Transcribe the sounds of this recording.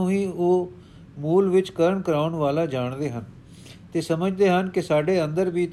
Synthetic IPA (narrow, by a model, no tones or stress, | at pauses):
ũːĩːoː | muːlʋɪt͡ʃkəɾəɳkəɾaːʊɳʋaːlaːd͡ʒaːɳd̪eːɦən | t̪eːsəməd͡ʒd̪eːɦənkɪsaːɖeːə̃nd̪əɾʋiː